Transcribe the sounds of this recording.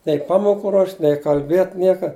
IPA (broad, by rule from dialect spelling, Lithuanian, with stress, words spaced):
nʲɛɪ ˈpɑːmoːkʊ ruɔʃʲtʲ nʲɛɪ kɐlʲˈbʲeːtʲ ˈnʲiɛkɐ